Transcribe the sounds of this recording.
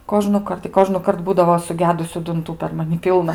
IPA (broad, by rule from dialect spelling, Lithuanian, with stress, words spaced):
koːʒnʊˈkɐrt ɪ koːʒnʊˈkɐrt ˈbuːdɐʋoː sʊˈɡʲæːdʊsʲʊ dʊnˈtuː pʲɛr mɐˈnʲɪ ˈpʲiːlˠnɐ